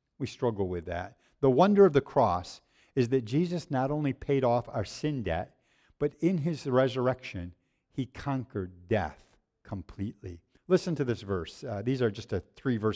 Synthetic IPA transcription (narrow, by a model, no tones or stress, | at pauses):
wistɹ̥ʌɡl̩ˠwɪðæ̰t̚ | ðəwʌ̃ndə˞ʌvðɨkʰɹ̥ɔs | ɨzðɨt̚d̥ʒ̥izɨsnəɾõʊ̃nlipʰeɪɾɔfa̰ʊə˞sɪ̃ndɛ̰t̚ | b̥ʌɾɪ̃nɪzɹɛzə˞ɛkʃɨ̃n | ikʰɑ̃ŋkə˞ddɛ̰θ | kʰə̃mpʰl̥iʔˡlḭ | lɪsɨ̃ntʰɨðɪsvɜ˞sðizə˞d͡ʒʌstɨθɹivɜ˞